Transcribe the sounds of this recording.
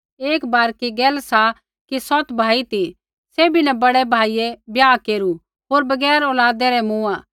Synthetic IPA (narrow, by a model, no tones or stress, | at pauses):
eːkbaːɾkiɡɛːlsa | kisɔt̪bʱaːit̪i | seːbinɛbɐɽɛbʱaːijɛbjaːkeːɾu | ɦoːɾbɐɡɛːɾɔːlaːd̪ɛɾɛmũːaː